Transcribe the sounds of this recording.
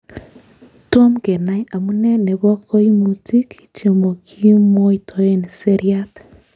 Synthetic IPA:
to˦mke˨na˦ja˨mu˦ne˦ne˨βɔ˦kʰo˦i˦mu˨ti˦ki̥˨t͡ʃo˨mo˨kʰi˦mwɔ˦itʰo˨je˦ni˨se˦ɾia˦t

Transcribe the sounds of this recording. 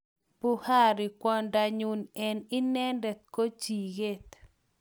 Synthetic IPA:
pu˦ha˦ɾɪ˨kwɔ˦nda˨ɲu˨nɛ˨nɪ˦nɛ˦ndɛ˨t̪̚ko˦t͡ʃi˨ɡe˦t̪

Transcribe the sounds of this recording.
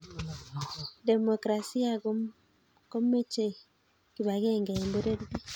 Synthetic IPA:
de˨mo˨kɾa˨si˦a˨ | ko˦me˦t͡ʃe˨ | ki˨βa˨ɣe˦ŋɡa˨mbo˦ɾe˦ɾɡi˦

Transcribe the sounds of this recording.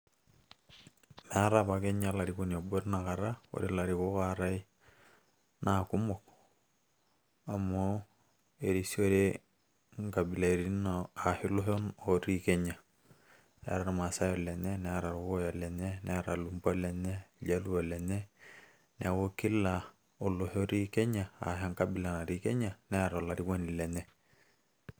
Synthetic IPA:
mɛ˨a˦ɾaba˨ke˦ɲa˦la˨ɾikona˨bo˦ɾna˨ka˨ɾa˦o̰˨ɾi˦la˨ɾiko˦kaɾa˦i˦ | naku˦mɔ˨k | a˨mo | e˨ɾi˨si˦o˦ɾe | ŋɡa˨bi˨la˨ɾi˦naa˨hi˦lo˦ɦo˦noɾi˦ke˦ɲa˨ | nɛ̰˦ɾa˨ɾma˨sa˦jɔ˨lɛ˨nɛ˦nɛ˦ɾa˨ɾwɔ˦ja˨lɛ˨nɛ˦nɛ˦ɾa˨lu˨mba˦lɛ˨nɛ˦ɟa˦lu˦ɔ˨lɛ˨nɛ˦ | nɛ˦wo˦ki˦la˨ | ɔ˨lɔ˨ɦɔ˦ɾi˦kɛ˦ɲa˨a̰˨ɦa˦ŋka˦bi˨la˨na˨ɾi˦kɛ˦ɲa˨nɛ˦a˨ɾɔ˨la˨ɾi˦wo˦ni˨lɛ˨nɛ˦

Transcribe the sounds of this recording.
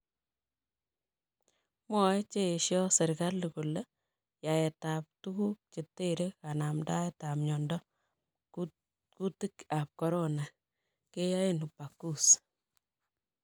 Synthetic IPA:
mɔ˦ɛ˦t͡ʃe˦˨ʃjɔ˦sɛ˨ɾka˦lːuko˨le˦ | ja˨ɛ˨ta˨p̚tu˦ku˦k̚t͡ʃe˨tːe˦ɾe˦ka˨na˨mda˦eta˨mɲɔ˨ndɔ˦ | ku˦ti˦ka˨p̚kɔ˨ɾo˦na˨ | ke˦ja˦e˦nu˨pa˨ku˦s

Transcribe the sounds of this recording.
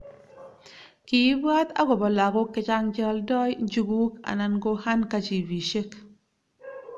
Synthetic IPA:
ki˨˦ba˦ta̰˦ɡo˨ba˨la˨ɡo˦kːɪ˦t͡ʃa˦ŋd͡ʒə˦ldɔ˦jnd͡ʒu˦ɡu˦ka̰˨na˨nɡo˦ha˦nka˦t͡ʃi˨bi˨ʃe˦k

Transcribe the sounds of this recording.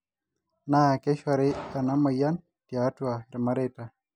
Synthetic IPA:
na˦˨ke˦ʃa˨ɾe˦a˨na˦ma˨ja˦n | ti˨a˨˦twa˨ɾma˦ɾe˦˨ta˨

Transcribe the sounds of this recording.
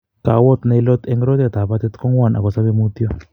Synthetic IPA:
ka̰˨wɔ˦t̪na˨jlɔ˦t̪ɛ˦ŋɾo˦t̪a˨t̪a˨pa˦t̪ɛ˦t̪kɔ˦ŋwa˦˨na̰˨kɔ˨sa˦ke˦mu˦t̪jɔ˦˨

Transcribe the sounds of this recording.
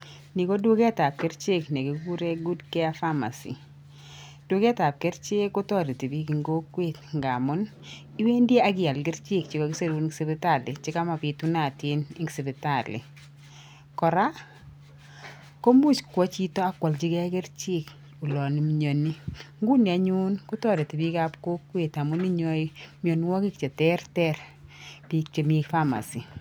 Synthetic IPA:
ni˨kɔ˦dwo˦ɡɛ˦ta˨p̚ke˦ɾt͡ʃe˦kne˨ɡe˨ɡu˦ɾe˦ɡu˦dkɛ˦a˦fa˦ma̰˨sḭ˨ | d̥ʊ˦ɡɛ˦ta˨p̚ke˦ɾt͡ʃe˦kːo˦tɔ˦˨ɾi˨ti˨bi˦ki˨ŋɡo˦kwe˦tŋɡa˨mɔ˦n | i˦we˦nde˦a˦ɡɪ˦ja˨lɡɪ˦ɾt͡ʃɪ˦˨kt͡ʃɪ˨kɔ˨˦ɡɪ˦se˦ɾu˦se˦bi˦ta˦˨lɪ˨t͡ʃɪ˦ka˦ma˨pɪ˨tu˦na˦˨tje˦ni˦ŋɡse˨bi˨ta˨lɪ̰˨ | kɔ˨ɾa˦ | ko˦mu˦˨t͡ʃkwɔ˦t͡ʃi˦tɔ˦a˦kwɔ˨lt͡ʃi˦kɛ˦kɛ˦rt͡ʃi˦k | u˨lɔ˨ni˨mɲo˨ni˦ŋɡu˦ni˨a˨ɲu˦nkʊ˦tɔ˦˨ɾe˨ti˨bi˦ka˦pko˦kwe˨ta˨mʊ˦ni˦ɲɔ˦imjo˨nwɔ˦ki˦kt͡ʃe˨tɛ˦ɾtɛ˦ɾ | pi˨k̚t͡ʃe˨mi˦kfa˦ma̰˨si˨

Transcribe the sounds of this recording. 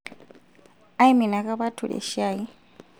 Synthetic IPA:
a˦i˦mi˨na˨kʼa˦βa˦tʰṵ˨lɛ̰˨ʃaː˦˨i˦

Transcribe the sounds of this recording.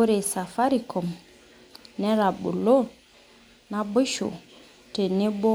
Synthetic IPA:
o˦ɾe˨sa˨fa˦ɾi˨kʰɔ˨m | nɛ˦ɾa˨bṵ˨lo˦ | na˦bʊ˦ʃo̰˨ | te˨ne˦bo˦

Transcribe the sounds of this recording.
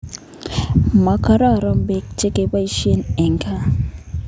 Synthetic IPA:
ma˨ka˨ɾa˦˨ɾɔ˦m˦be˦k̚t͡ʃe˦ke˨˦ba˦i˦ʃi˦e˦nɛ˨ŋ˨kʰa˦

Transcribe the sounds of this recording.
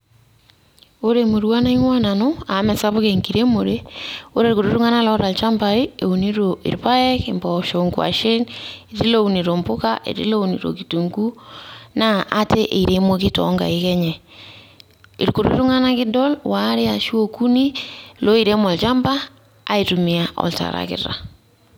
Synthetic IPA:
o˦ɾe˨mo˨ɾwa˦na˦i˦ɲwa˦na˨no˦a˨mɛ˨sa˦βo˦ke˨ŋki˨ɾe˦mo˨ɾe˦o˦ɾe˦ɾko˨ɾo˦ɾu˦ŋa˦na˦lɔ˦ɾa˨lt͡ʃa˦mba˨i˦e˨u˨ni˦ɾo˨ḭ˨ɾpa˦ɛ˦ke˨mbɔ˨ʃo˨ŋɡwa̰˨ʃe˦ni˨ɾi˦lo˦u˨ni˨ɾo˨mpʊ˦ka̰ʔḛ˨ɾḭ˦lo˦wnḭ˨ɾo̰˨ki˨tu˨ŋɡu˦na˦ʔːte˦ʔe˨i˨ɾe˦mo˦ki˦tɔ̰˦ŋɡa̰˨i˦kɛ˦ɲɛ˨ | i˨ɾko˨ɾo̰˨ɾḛ˦ɾu˦ŋa˦na˦kɪ˦dɔ˦lwa˦ɾɪ˦a˨ʃi˦o˦ku˦ni˦lo˦i˨ɾe˦mɔ˨lt͡ʃa˦mbaː˦ | i˨tu˨miaʔɔ̰˨lta̰˨ɾa̰˨kɪ̰˨ɾa̰˨

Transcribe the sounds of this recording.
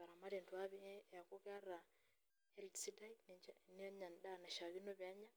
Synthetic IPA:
ka˨ɾa˨ma˦ɾe˨ndwa˦βi˦ja˨ku˦ka˦ra˨ | hɛ˦ltsida˦inn˦ɲa˨ndana˨ʃa˨βinoβja˦ɲa˦

